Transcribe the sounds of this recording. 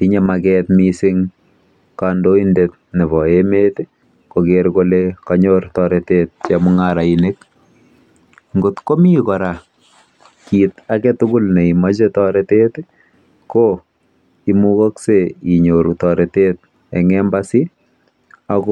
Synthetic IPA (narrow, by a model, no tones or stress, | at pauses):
iɲemakɛtmisɪŋ | kandoindet̚ | neβɔemet | kokeɾkolekaɲoɾtɔɾetet̚t͡ʃɛmʊŋaɾainek | ŋɡotkomikɔɾa | kitakɛtukʊlneimat͡ʃetɔɾetet | ko | imukɔkseiɲoɾutɔɾetet̚ | ɛ̰ŋɛmbasi | ak